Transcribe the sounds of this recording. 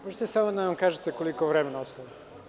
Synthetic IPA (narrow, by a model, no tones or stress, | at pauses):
moʒet̪esamod̪aʋamkaːʒet̪ekolikoʋɾemenaɔst̪aʋi